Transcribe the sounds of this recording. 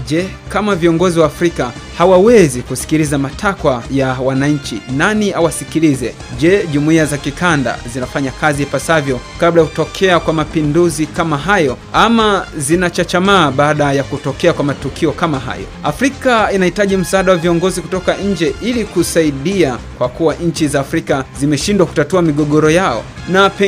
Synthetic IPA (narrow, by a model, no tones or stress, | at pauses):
ʄɛkamaviɔŋɡɔziwaːfɾika | hawawɛzikusi̥kilizamatʰakwajawanaɲ̩t͡ʃḭnaniawasikilizɛ | ʄɛʄumuiazakikanda̰zinafaɲakazipasavjɔkablajakutɔkʰɛakwamapinduzikamaɦajɔamazinat͡ʃat͡ʃamaːɓaːɗajakutɔkɛakwamatukʰiɔkamaɦa̰jɔ̰afɾikainahitaʄim̩saaːɗawaviɔŋɡɔziku̥tɔkaɲ̩d͡ʒɛʔilikusaiɗiakwakuwaɲ̩t͡ʃizaːfɾikazimɛʃindwaku̥tatuamiɠɔɠɔɾɔjaɔ̰ | napɛ